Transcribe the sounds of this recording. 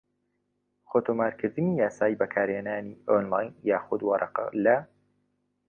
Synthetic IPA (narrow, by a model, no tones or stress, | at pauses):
xoːt̪ʰoːmaːɾkʰɨɾd̪ɨnijaːsaːjibɐkʰaːɾheːnaːniːʔonlaːjnjaːxʊd̪wɑɾˤʔɑ̰qɑ̰lɐ